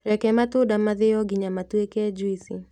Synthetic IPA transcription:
ɾɛkɛmatʊdamaðɪɔɡiɲamatuɛkɛd͡ʒwisi

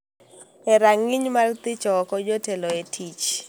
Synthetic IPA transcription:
ɛɾaŋiɲmalt̪ɪt͡ʃɔkɔd͡ʒotelɔetʰit͡ʃ

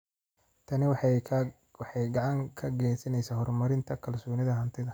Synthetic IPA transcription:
t̪ʰɐnɪw | wɑħɑjɡɑʕɑŋkʰɐɡɛːsɐnɛjsaːhɔrmɐɾɪnt̪ʰɐkʰɐlsɔːnɪðɐɦɐnt̪ʰɪðɐ

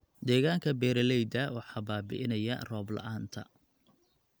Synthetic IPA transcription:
d̪ɛːɣaːŋkʰɐbɛːɾɐlɛjd̪ɐwɑħɑːbaːbɪ̰ʔɪnɐjɐ̰rɔːblɐ̰ʔaːnt̪ʰɐ̰

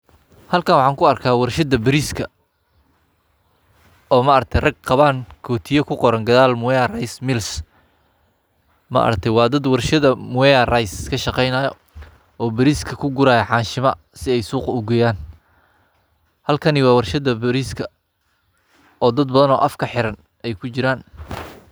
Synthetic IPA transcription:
hɐlkʰɐnwɑħɑːŋkʰʊɐrkʰaːwɑrʃɐd̪ɐbɪɾiːskʰɐ | ɔːmɐʔɐɾ̚t̪ʰɛjrɐɡ̚qɑβaːŋkʰɔːt̪ʰɪjɐkʰʊqɔɾɐŋɡɐðaːlmʊwɛjɐrɐjsmɪls | mɐ̰ʔɾt̪ʰɛwɑːd̪ɐd̪wɑrʃɐðɐmʊɛjɐrɐjskʰɐʃɑqɛjnaːjɔ̰ | ɔːbɐɾiːskʰɐkʰʊɡʊɾaːjɐħɑːnʃɪmɐ̰ | sɪɛjsuːqʊɡɛjaːn | hɐlkʰɐnɪwɑːwɑrʃɐðɐbɾiːskʰɐ | ɔːd̪ɐd̪̚bɐðɐnɔːʔɐfkʰɐħɪɾɐn | ɛjkʰʊt͡ʃɪɾaːn

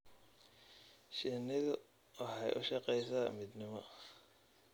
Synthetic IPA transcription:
ʃɛnɪðʊ | wɑħɑ̰jʔʊ̰ʃɐqɛjsaːmɪd̪nɪmɔ

